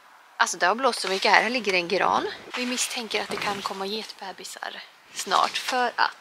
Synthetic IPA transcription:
ʔalsɔd̪ɛhaɾbloːssɔmʏkːəhæ̰ːɾhæɭɪɡːəɾɛnɡɾɑ̰ːnvɪmɪst̪ʰɛŋkəɾat̪̚d̪ɛkʰankʰɔmːajeːt̪bɛːbɪsa̰ɾ | snɑ̰ːʈfœɾa̰t̪

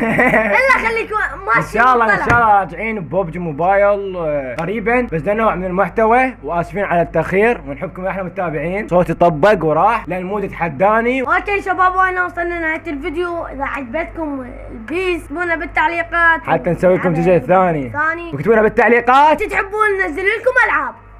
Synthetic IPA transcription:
ɪlːaxalːiːkʊmaɪnʃaːʔɑlˤːɑʔɪnːaːʔɑlˤːɑʔɑɾˤd͡ʒɪʕiːnbobd͡ʒmʊbaːjɪlɣaɾiːbanbasd̪anːoːʕmɪnɪlmʊħt̪awawʔaːsfiːnʕalat̪ːaʔxiːɾwɪnħɪbːkʊmʔɪħnamʊt̪ːaːbɪʕiːnsˤoːt̪t̪ˤɑbːɪkwɾˤɑːħlɪʔanːmuːd͡ʒat̪ħad̪ːaːniwakelʃabaːbwaħnawsˤɨlninʕat̪ɪlfɪd̪juʔɪðaʕad̪bet̪kʊm | lbiːst̪buːnabɪt̪ːaʕliːqɑːt̪ħat̪ːansawːiːkʊmt̪ɪd͡ʒalθːaːniθaːniwkt̪buːnabɪt̪ːaʕliːqɑːt̪t̪ħɪbːuːnnːazːɪlɪlkʊmʔalʕab̚

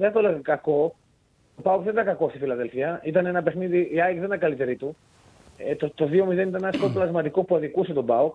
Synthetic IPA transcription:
ðent̪oleɣɐkɐko̞ | t̪opɐukðenit̪ɐkɐkost̪ifilɐðe̞lfiɐit̪ɐne̞nɐpe̞xniðiʔːɐjkiɐnɐkɐlit̪e̞ɾit̪u | t̪ot̪oðio̞mizðenit̪ɐnenɐskot̪plɐzmɐt̪ikopuɐðikuse̞t̪o̞bɐok

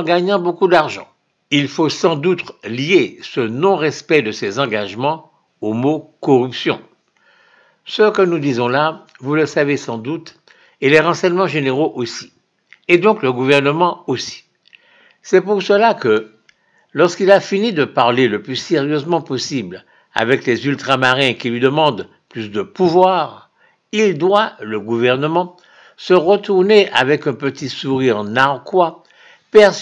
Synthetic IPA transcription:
ɑ̃ɡaɲɑ̃bokud̪aʁʒɑ̰̃ | ilfosɑ̃d̪ut̪lijesənɔ̃ʁɛspɛd̪əsɛzɑ̃ɡaʒmɑ̃ | omokɔʁypsjɔ̰̃ | səkənud̪izɔ̃la | vuləsavesɑ̃d̪ut̪ | eleʁɑ̃sɛɲmɑ̃ʒeneʁoʔosi̥ | ed̪ɔ̃kləɡuvɛʁnəmɑ̃osi̥ | sɛpuʁsəlakə | lɔʁskilafinid̪əpaʁleləplyseʁjøzmɑ̃pɔsibl | a̰vɛklɛzylt̪χamaʁɛ̃kilɥid̪əmɑ̃d̪ | plysd̪əpuvwaːʁ | ild̪waləɡuvɛʁnəmɑ̃ | səʁət̪uʁneʔa̰vɛkɛ̃pət̪isuʁiʁnaʁkwa | pɛʁs

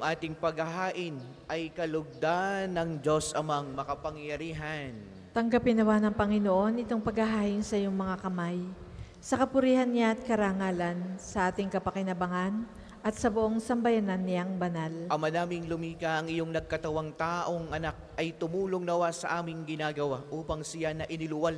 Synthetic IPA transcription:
jʊŋʔaːt̪ɪŋpɐɡhɐɦaːʔɪn | ʔɐjkɐlʊɡ̚d̪anːɐŋd͡ʒo̞sʔɐmaŋmɐkɐpɐŋjɐɾiːɦɐn | t̪ɐŋɡapɪnɐwanɐŋpɐŋɪnoʔo̞nɪt̪o̞ŋpɐɡhɐɦaːʔɪnsɐjoŋmɐŋakɐmaj | sɐkɐpʊɾiːhɐnːɪjaʔɐt̪̚kɐɾaŋaːlɐnsɐʔaːt̪ɪŋkɐpɐkɪnɐbɐŋan | ʔɐt̪̚sɐbʊʔo̞ŋsɐmbɐjananːɪaŋbɐnalʔɐmanaːmɪŋlʊmiːkaʔɐŋɪjo̞ŋnɐɡ̚kɐt̪ɐwaŋt̪aːʔo̞ŋɐnak̚ʔɐjt̪ʊmuːloŋnɐwasɐʔaːmɪŋɡɪnaːɡɐwaʔuːpɐŋsɪjanɐʔɪnɪlʊwal

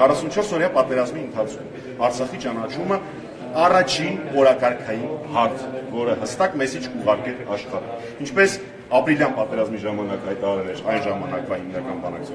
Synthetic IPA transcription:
kʰɑrɑsunt͡ʃʰɔɾsɔɾjɑpɑt̪ɛɾɑzmiənt̪ʰɑt͡sʰkʰum | ɑɾt͡sʰɑχit͡ʃɑnɑt͡ʃʰumə | ɑrɑt͡ʃʰinɔɾɑkɑɾkʰɑjinhɑɾt͡sʰvɔɾəhəst̪ɑkmɛsit͡ʃʰkʰuʁɑɾkɛɾɑʃχɑɾɛ̰ | int͡ʃʰpɛs | ɑpɾiljɑnpɑt̪ɛɾɑzmiʒɑmɑnɑkhɑjt̪ɑɑɾɛlɛɾɑjnʒɑmɑnɑkvɑimnɑkɑnbɑnɑ̰k̚t͡sʰ

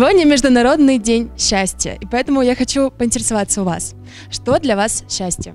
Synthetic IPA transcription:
vo̞dʲnʲəmʲɪʐd̪ʊnɐɾo̞d̪nɨjdʲenʲɕːæsʲtʲɪjə̰ʔipɐɛt̪əmʊjaxɐt͡ɕupəɪnʲtʲɪɾʲɪsɐvat̪sːəʊva̰s | ʂt̪o̞d̪lʲɐvasɕːæsʲtʲɪjə̰

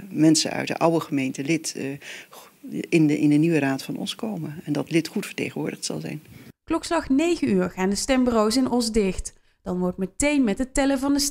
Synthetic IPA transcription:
mɛnsə̰nœ̰ɥdə̰ʔɑwəχəmejntəlɪt | ɪnɪndəniʋəɾaːtfɑnɔ̰nskowməɛndɑtlɪtχutfəɹtḛjχənʋʊːɹdəχtsɑ̰lˠzɛ̰jnklɔkslɑχnejɣənyːɹχaːndəstɛmbərowsɪnʔɔsdɪxt | d̥ɑnʋɔɹtmətejnmɛtətɛləvɑndəs

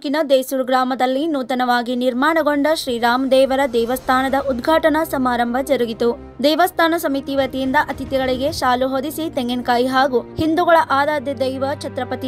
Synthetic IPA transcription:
kinɐd̪ejsuːɾɡɾaːmɐd̪ɐlːinuːt̪ɐnɐʋaːɡiniɾmaːɳɐɡo̞ɳɖɐʃɾiːɾaːmd̪ɛːʋɐɾɐd̪ɛːʋɐst̪ʰaːnɐd̪ɐʔud̪ɡʱaːʈɐnɐsɐmaːɾɐmbʱɐd͡ʒɐɾuɡit̪u | d̪ɛjʋɐst̪ʰaːnɐsɐmit̪iʋɐt̪ijind̪ɐʔɐt̪it̪ɛɡɐɭiɡe̞ʃaːluɦod̪isit̪eŋɡenkaːjiɦaːɡuhind̪uɡɐɭɐʔaːd̪aːd̪jɐd̪ɐjʋɐt͡ʃʰɐt̪ɾɐpɐt̪i

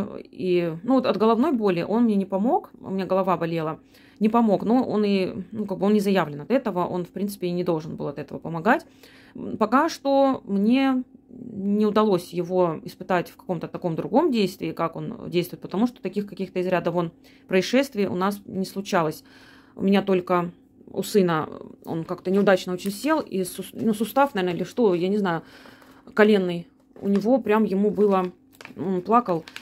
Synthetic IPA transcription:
inuvot̪ɐd̪ɡəlˠɐvno̞jbo̞lʲɪʔo̞nmnʲenʲɪpɐmo̞kmnʲeɡəlˠɐvabɐlʲelˠə | nʲɪpɐmo̞knuʔo̞̰nɪnukaɡ̚bɨo̞nnʲɪzɐjavlʲɪnɐt̪ɛt̪əvəʔo̞̰nfpɾʲint̪sɨ̥pʲɪnʲɪd̪o̞lˠʐɨnbɨlˠɐt̪ɛt̪əvəpəmɐɡatʲ | pɐkaʂt̪o̞mnʲe̞ | nʲɪʊd̪ɐlˠo̞sʲjɪvoɪspɨt̪atʲfkɐ̥ko̞mt̪ət̪ɐko̞md̪ɾʊɡo̞mdʲejst̪vʲɪːkako̞̰ndʲejst̪vʊɪt̪pə̥t̪ɐmuʂt̪o̥t̪ɐkʲixkɐkʲixt̪əɪzɾʲad̪əvo̞n | pɾəɪʂɛst̪vʲɪəʔʊ̰nasnʲɪslˠʊt͡ɕalˠəsʲ | ʊ̰mʲɪnʲat̪o̞lʲkə | ʊ̰sɨnəo̰nkakt̪ənʲɪʊd̪at͡ɕnəo̞t͡ɕɪnʲsʲe̞lˠisʊnusʊst̪afnɐvʲenɪlʲɪʂt̪o̞janʲɪznajʊ | kɐlʲe̞nːɨj | ʊ̰nʲɪvo̞pɾʲamjɪmubɨlˠə | nplˠakəlˠ

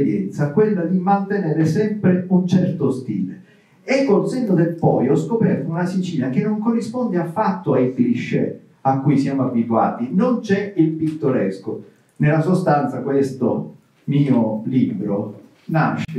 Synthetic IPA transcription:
ɾjɛ̰nt̪sakwelːad̪imant̪eneːɾesɛmpɾeunt͡ʃɛrt̪ost̪ḭːle | ekːonsend̪od̪elpɔ̰jɔskopɛrt̪ounasit͡ʃiːnakenːoŋkorːispond̪eafːat̪ːoaikliʃːḛ | akːujsjamoabːit̪wa̰ːt̪inont͡ʃɛilpit̪ːoɾesko | nelːasost̪ant̪sakwest̪o̰ | miːoliːbɾo | na̰ʃ

